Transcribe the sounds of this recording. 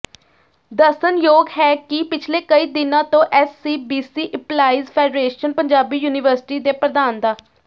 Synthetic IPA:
d̪əsənjoːɡɦɛːkɪpɪt͡ʃʰleːkəiːd̪ɪnãːt̪õːʔɛːsːiːbiːsiːʔəplaːiːzpʰɛːɖɾeːʃənpəɲd͡ʒaːbiːjuːnɪʋəɾsɪ̥ʈiːd̪eːpɾəd̪aːnd̪aː

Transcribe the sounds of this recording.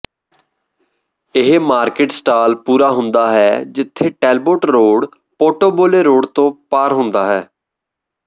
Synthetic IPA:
ɪɦmaːɾkeːʈsʈaːlpuːɾaːɦʊnd̪aːɦɛːd͡ʒɪt̪ʰːeːʈɛːlboːʈɾoːɽ | poːʈoːboːleːɾoːɽt̪õːpaːɾɦʊnd̪aːɦɛː

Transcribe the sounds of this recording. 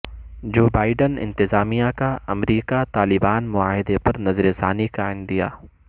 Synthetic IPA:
d͡ʒoːbaːɪɖənɪ̰̃nt̪ɪzaːmijãkaɐ̰mɾiːkat̪aːlɪbaːnmʊaːɦɪd̪epɐɾnɐzɾɪszaːnikaːɪ̃nd̪d̪ija̰ː

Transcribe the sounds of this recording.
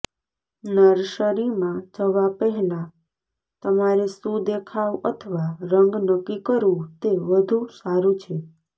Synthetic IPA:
nəɾʃəɾimãt͡ʃʰəʋapəɦlã | t̪əmaɾesũd̪ekʰaʋət̪ʰəʋaɾəŋɡnəkːikəɾũt̪eʋəd̪ʱũsaɾũt͡ʃʰe

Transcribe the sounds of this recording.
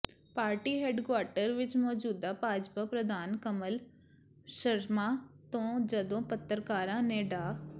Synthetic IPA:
paːɾʈiːɦɛːɖkwaːɾʈəɾʋɪt͡ʃmɔːd͡ʒuːd̪aːpaːd͡ʒpaːpɾəd̪aːnkəməl | ʃəɾmãːt̪õːd͡ʒəd̪õːpət̪ːəɾkaːɾãːneːɖaː

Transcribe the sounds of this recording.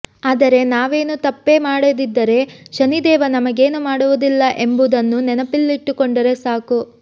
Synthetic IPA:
aːd̪ɐɾe̞naːʋe̞ːnut̪ɐpːe̞maːɽod̪id̪ːɐɾe̞ʃɐnid̪ɛːʋɐnɐmɐɡe̞ːnumaːɽuʋud̪ilːɐʔe̞mbud̪ɐnːunɛnɐpilːiʈːukoɳɖɐɾe̞saːku

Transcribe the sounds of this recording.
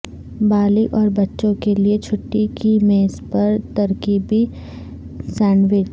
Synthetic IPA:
baːlɪkɔːɾbɐtːʃõkeliet͡ʃʰʊʈːikimeːzpɐɾt̪ɐɾkiːbi | sɛ̃ːɳɖʋɪt͡ʃ

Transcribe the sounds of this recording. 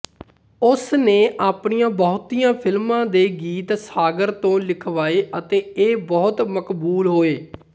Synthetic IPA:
ʊsneːʔaːpɳijãːbɔɦt̪ijãːpʰɪlmãːd̪eːɡiːt̪saːɡəɾt̪õːlɪkʰʋaːeːʔət̪ẽːeːbɔːt̪məkbuːlɦoːeː

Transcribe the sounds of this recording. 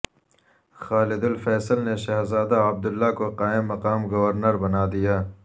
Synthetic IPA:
xaːlɪd̪ʊlfɛːsəlneʃɐɦzaːd̪aɐb̚d̪ʊlːakoqaːɪmːɐqaːmɡɐwɐɾnəɾbɐnaːd̪ijaː

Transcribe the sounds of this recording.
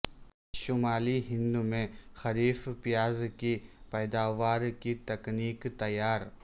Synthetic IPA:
ʃʊmaːliɦɪ̃nd̪umẽxɐɾiːfpɪjaːzkipɛːd̪aːʋaːɾkit̪ɐkniːkt̪ɐjaːɾ

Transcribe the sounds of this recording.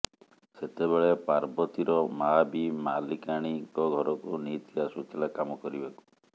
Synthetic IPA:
set̪eβeɭepaɾbɔt̪iɾɔmabimalikaɽ̃ikɔɡʱɔɾɔkunit̪ʰibasut͡ʃilakamɔkɔɾibaku̥

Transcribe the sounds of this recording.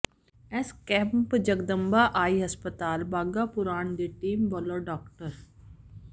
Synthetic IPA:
ɛskɛːmpd͡ʒəɡd̪əmbaʔaːiɦɐspət̪aːlbaːɡapʊɾaːɳd̪iʈiːmbɔləɖɔːkʈəɾ

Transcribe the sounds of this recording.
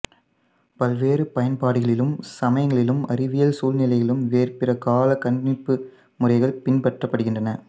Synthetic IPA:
pɐlʋeːrɯpɐjɐnpaːɽɯɣɐɭɪlɯmsɐmɐjɐŋɡɐɭɪlɯmɐrɪʋɪjɐlsuːlnɪlɐɪɣɐlɯmʋeːrpɪrɐkaːlɐkɐɳmɪpːɯ | mʊrɐɪɣɐɭpɪnpɐʈrɐpːɐɽɯɣɪndrɐnɐ

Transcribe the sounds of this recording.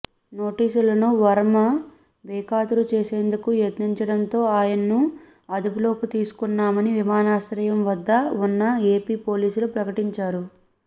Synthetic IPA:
no̞ːʈiːsulɐnuʋɐɾɐmɐ | bɛːkaːt̪uɾut͡ʃe̞ːse̞ːnd̪ukujet̪niɲt͡ʃɐɽɐnt̪o̞ːaːjɐnɐnu | ɐd̪upulo̞ːkit̪iːsu̥kunːaːmɐniʋimaːnaːsɾɐjɐmʋɐd̪ːɐunːɐeːpiːpo̞ːliːsulupɾɐkɐʈiɲt͡ʃaːɾu

